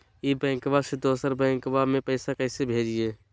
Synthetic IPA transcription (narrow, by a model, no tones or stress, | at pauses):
ebɛ̃ːŋkbased̪oːsəɾbɛ̃ːŋkbamẽpɛɪsakɛɪsebʱeːd͡ʒieː